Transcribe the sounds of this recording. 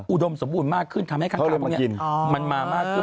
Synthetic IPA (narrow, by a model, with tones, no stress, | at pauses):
ʔu˨˧˩do˧mso˩˦mbu˧nmaː˥˩kʰːɯ˥˩nt̪ʰa˧mha˥˩jkʰa˧˦˨ni˥i˧nma˧nmaː˧maː˥˩kʰːɯ˥˩